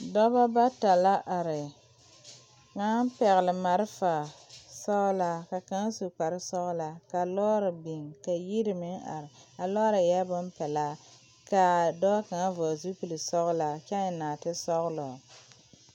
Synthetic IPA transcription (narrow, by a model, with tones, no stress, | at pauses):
dɔ˦ba˦ba˦ta˨la˦ʔa˨ɾɪ˨ | ŋa˦pɛ˨ɣɪ˨lɪ˨ma˨ɾɪ˦fa˨sɔ˦ɣla˨ka˨ka˦ŋ˦su˨k͡pa˨ɾɪ˦sɔ˦ɣʊ˦la˨ka˨lɔː˦ɾɪ˨bi˨ŋka˨ji˦ɾɪ˨mɪ˦ŋa̰˨ɾɪ˨a˨lɔ˦ɾa˨jɛ˦bʊ˦m˦pɛ˨la˦ | ka˨dɔ˦ba˦ka˨ŋ˦vɔ˨zu˦pi˨li˨sɔ˦ɣʊ˦la˨kɛ˦n˨naː˨tɪ˦sɔ˦ɣʊ˦lɔ˨